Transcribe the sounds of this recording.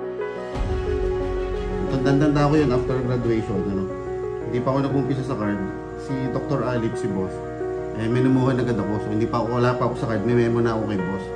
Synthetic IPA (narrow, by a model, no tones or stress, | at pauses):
t̪ɐnd̪ɐnd̪ɐnt̪ɐɐkojonʔaft̪ɛɾɡɾad̪ʊɛjʃonɐno | hɪnd̪iːpɐko̞nɐɡʊmpis̬ɐsɐkaɹd̪ | sid̪ok̚t̪oɾʔaːlip̚sɪbos | ʔɐjmɛnʊmukonɐɡkːɐd̪ɐkosohɪnd̪iːpɐʔɐkowɐlaːpɐʔɐko̞sɐkaɹd̪̚mɐmɛmonɐʔoːkɐjbos